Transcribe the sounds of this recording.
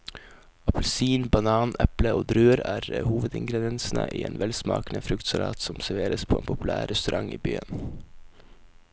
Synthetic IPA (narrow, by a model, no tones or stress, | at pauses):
ɑpəlsiːnbɑnɑːnɛpləoːd̪ɾʉːəɾæːɾhuːʋəd̪ɪŋɡɾɛd̪ɪjɛnsnəʔḭːeːnʋɛlsmɑ̰ːkənəfɾʉkt̪sɑɾɑ̰ːt̪sɔmsæɾʋeːɾəspʰoːeːnpʰʊpʉlæːɾɾɛst̪ʉɾʔɑŋiːbyːən